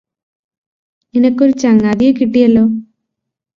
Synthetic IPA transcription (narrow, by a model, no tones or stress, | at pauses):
ninɐkːoɾut͡ɕɐŋːaðijokiʈːijɐlːoː